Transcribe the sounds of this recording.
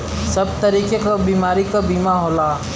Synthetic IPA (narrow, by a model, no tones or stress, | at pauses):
sɐb̚t̪ɐɾiːkekabiːmaːɾikabiːmaɦoːlaː